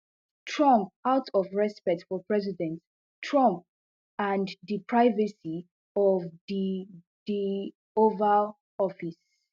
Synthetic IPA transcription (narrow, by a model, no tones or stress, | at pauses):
tʰɹʌ̃mp̚aʊtʰɔvɹɛspɛk̚tfɔpʰɹɛzidɛ̃nt | tʰɹʌ̃mp̚ | ãnðipʰɹaɪvəsi | ɔvði | d̥i | ovə | ɔfis